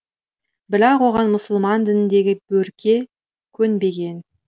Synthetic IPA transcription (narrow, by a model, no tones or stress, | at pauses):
bɪlɑqwo̞ʁɑnmʊsəlˠmɑnd̪ɪnɪnd̪e̞ɡʲɪbɵɾkʲʰe̞ | kʲʰɵnbe̞ɡʲe̞n